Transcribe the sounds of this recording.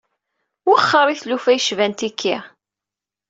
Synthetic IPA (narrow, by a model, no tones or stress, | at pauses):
ʊχːəɾˤiθlufæjʃvænt̪ikʰːi